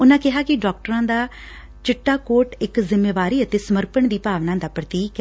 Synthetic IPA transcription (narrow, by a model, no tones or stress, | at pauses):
ʊnãːkɪɦaːkɪɖɔːkʈəɾãːd̪aː | t͡ʃɪʈːaːkoːɾʈɪkzɪmːeːʋaːɾiːət̪eːsəməɾpəɳd̪iːpaːʋnãːd̪aːpɾət̪iːk